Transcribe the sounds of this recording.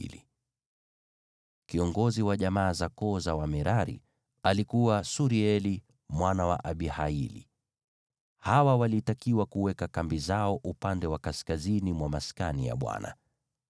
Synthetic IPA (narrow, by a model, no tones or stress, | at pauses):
lḭ | kiɔŋɡɔziwaʄamaːzakɔzawamɛɾaɾḭ | alikuwasuɾiɛli | mwanawa̰ʔaɓihailḭ | hawawalitakiwakuwɛkakambizaɔʔupandɛwakaskazinimwamaskanija̰ɓwa̰na̰